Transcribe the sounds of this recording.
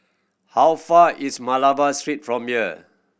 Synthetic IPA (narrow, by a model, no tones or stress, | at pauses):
hawfaismalavastɹitfɹɔ̃mjiə